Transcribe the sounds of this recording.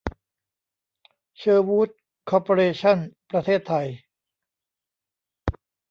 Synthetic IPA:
t͡ɕʰɤː˧wuː˥t̪̚ | kʰɔː˧poː˧ɾeː˧t͡ɕʰa˥˩npɾa˧t̪ʰeː˥˩t̪ʰːa˧j

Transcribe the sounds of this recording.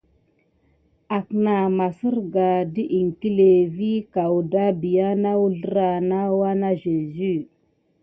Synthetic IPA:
a˨kna˨ma˨si˦ɾɡa˨di˦ʔi˨ŋ˨ki˦le˨vi˦ka˨wu˨da˦bi˨ja˦na˦wu˦ɮə˦ɾa˨na˦wa˦na˦ʒe˨zy˦˨

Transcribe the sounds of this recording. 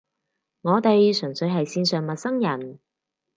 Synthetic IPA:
ŋɔː˨˧t̪e˨jsɵ˨˩ŋsɵ˨˧ɥɦɐ˨jsiː˧nsœː˨˩ŋmɐ˨t̚sɐ˥ŋjɐ˨˩n

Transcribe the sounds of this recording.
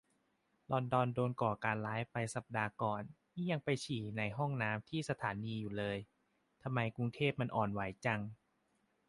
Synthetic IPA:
lɔ˧ndɔː˧ndoː˧nkɔː˨˩kaː˧nlaː˦˥jpa˧jsa˨˩p̚daː˧kɔː˨˩nniː˥˩ja˧ŋpa˧jt͡ɕʰiː˨˩na˧jɦɔ˥˩ŋnaː˦˥mt̪ʰiː˥˩sa˧t̪ʰaː˩˦niː˧juː˨˩lɤː˧j | t̪ʰa˧mːa˧jku˧ŋt̪ʰeː˥˩p̚ma˧nʔɔː˨˩nwa˩˦jt͡ɕa˧ŋ

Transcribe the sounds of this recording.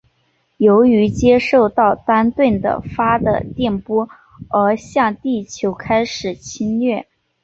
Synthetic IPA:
jo˧˥ʊy˧˥t͡ɕjɛ˥ʂo˥˧ʊt̪ɑ˥˩ʊt̪a˥nt̪we˥˩nd̪ə̰˩fa˥d̪ə̰˨t̪jɛ˥˩npwɔ˥ | ə˧˥ɕjɑ˥˧ŋt̪i˥˩t͡ɕʰjo˧˥ʊkʰa˥ɪʂɻ̩˨˩t͡ɕʰi˥nɥɛ˥˩

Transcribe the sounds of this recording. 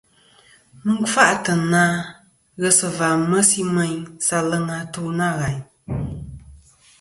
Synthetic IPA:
mɨ˦ŋ˦fa˦ʔtə˨naː˦ | ɣə˦sɨ˨va˨mə˦si˦mə˦ɲsa˧lə˦ŋa˧tu˦na˦˨ɣa˨ɲ

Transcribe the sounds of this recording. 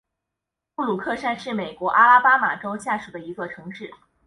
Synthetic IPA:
pu˥˩lu˨˩kʰɤ˥˧ʂa˥nʂɻ̩˥˩me˨˩ɪkwɔ˧˥ʔa˥la˥pa˥ma˨˩ʈ͡ʂo˥ʊt͡ɕja˥˩ʂu˨˩d̪ə˦i˧˥ɡə˧ʈ͡ʂʰɤ˧˥ŋʈ͡ʂɻ̩˥˩

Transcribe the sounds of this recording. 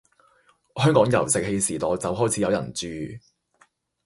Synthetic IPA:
hœː˥ŋkɔː˨˥ŋjɐ˨˩wsɪ˨k̚he˧jsiː˨˩t̪ɔː˨t͡sɐ˨wɦɔː˥jt͡sʰiː˨jɐ˨˧wjɐ̰˨˩nt͡syː˨

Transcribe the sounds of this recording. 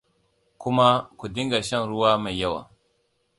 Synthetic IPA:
ku˦ma˦ku˨di˦ŋɡa˨ʃa˦ŋɾu˦wa˦ma˨jja˦wa̰˨

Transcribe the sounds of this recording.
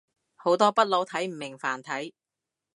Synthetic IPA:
ho˨˥wt̪ɔː˥pɐ˥t̚lo˨˥wt̪ʰɐ˨˥jm̩˨˩mɪ˨˩ŋfaː˨˩nt̪ʰɐ˨˥j

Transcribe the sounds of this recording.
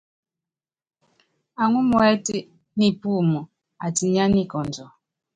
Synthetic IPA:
a˨ŋu˦mɔ˨ɛ˦ti˦ | ni˦pu˦˨mɔ˨ | a˨ti˨ɲa˦ni˦˨kɔ˨nd͡ʒɔ˨

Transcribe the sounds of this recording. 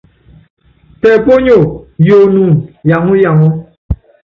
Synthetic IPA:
tɛ˨po˦ɲo˨jo˨nu˨nja˨ŋu˦ja˨ŋu˦

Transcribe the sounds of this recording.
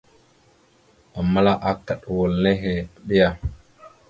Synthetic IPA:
a˨mːa˦la˦ʔa˨kːa˨ɗwo˨lne˦ɦe˨ɓi˦ja˨

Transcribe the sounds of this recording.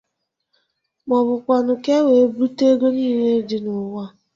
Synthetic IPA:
mɔ˨bʊ˨kʷa˨nʊ˨ke˦we˨˦bu˦te˦ɡo˦niː˦˨ɦe˦dɪ˦nʊ˨ŋʷa˦˨

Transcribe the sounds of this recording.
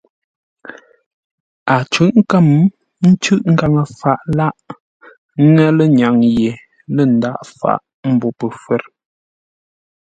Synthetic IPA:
a˨t͡ʃʉ˨˦ʔŋ̩˦ka˦˨m | n̩˦t͡ʃʉ˦ʔŋ̩˦˨ɡa˨ŋə˨fa˨ʔla˦ʔ | ŋɛ˦lə˦ɲa˨ŋje˨ | lə˦˨n̩˦da˦ʔfa̰˨ʔ | m̩˨bɔ˨pə˨fwɛ˦˨ɾ

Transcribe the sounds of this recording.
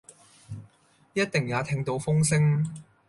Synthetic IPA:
jɐ˥t̚t̪ɪ˨˩ŋjaː˨˧t̪ʰɪ˧ŋt̪o˨˧wfʊ˥ŋsɪ˥ŋ

